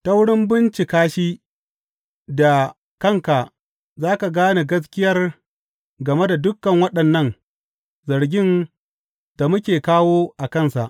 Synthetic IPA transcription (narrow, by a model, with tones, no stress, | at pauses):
ta˦wɽɪ˦mbɪ˦nt͡ʃi˨kaː˦ʃiː˦ | da˨ | kɐ˦˨ŋka˨ʔ | zaː˦ka˨ɡaː˦na˨ɡɐ˦s̬kʲɪ˦jɐ˦r | ɡɐ˨me˦da˨dʊ˦kːɐ˨ŋwɐ˦ɗɐ˨nːɐ˦˨ŋ | zɐ˨ɾɡʲɪ˦n | d̥a˨mʊ˦kʲeː˨kaː˦woː˦ʔa˨kɐ˦˨nsa̰˨ʔ